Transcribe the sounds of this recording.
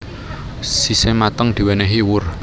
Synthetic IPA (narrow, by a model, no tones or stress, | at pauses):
sisemat̪əŋd̪̥i̤wɛnɛɦiwʊr